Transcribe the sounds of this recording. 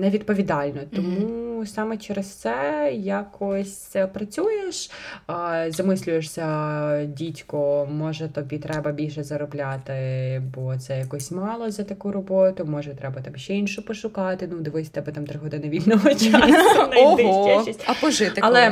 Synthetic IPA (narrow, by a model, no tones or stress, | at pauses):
nɛʋʲid̪̚pɔʋʲid̪ɑlʲnɔt̪ɔmusɑmɛt͡ʃɛɾest̪sɛjakʰɔsʲpɾɐt͡sʲujeʃ | zɐmɪsʲlʲʊjeʂsʲɐdʲitʲkɔmɔʒɛt̪ɔbʲit̪ɾɛbɐbʲilʲʃɛzɐɾɔblʲat̪ɪbɔt̪sɛjɐkɔsʲmɑlˠɔzɐt̪ɐkuɾɔbɔt̪ʊmɔʒɛit̪ɾɛbɐt̪ɑmʃʲt͡ʃɛinʃʊpɔʃʊkɑt̪ɪnud̪ɪʋʊjsʲɐt̪ɛbɛt̪ɑmt̪ɾɪɦɔd̪ɪnɐʋʲilʲnɔɔt͡ʃʲɐnɐɔɪɛt͡ʃistʲɐpɔʒɪt̪ɪɐlˠɛ